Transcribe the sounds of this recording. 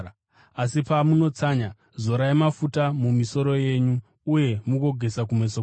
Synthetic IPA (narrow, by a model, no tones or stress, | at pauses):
asipamuno̞t͡saɲa | zo̞ɾajemafutamumiso̞ɾo̞je̞ɲuː | je̞muko̞ɡʱe̞sak̬umeso